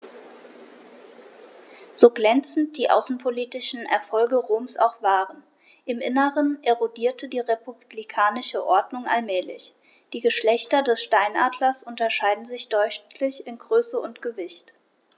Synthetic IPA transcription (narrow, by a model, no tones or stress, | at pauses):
z̥oːɡlɛnt͡sn̩t̚d̥iːʔa̰ʊsn̩pʰoliːtɪʃn̩ʔɛ̰ɐfɔlɡəʁoːmsa̰ʊxv̥aːʁən | ʔɪmʔɪnəʁənʔeʁodiːɐtədiːʁepubblikʰaːnɪʃəʔɔɐdnʊŋʔa̰lmɛːlɪ̰ç | d̥iːɡəʃlɛçtɐdɛsʃtaɪnʔaːdlɐsʔʊntɐʃaɪdn̩zɪçd̥ɔʏʃtʰlɪçɪnɡʁøːsəʊntɡ̥əvɪçt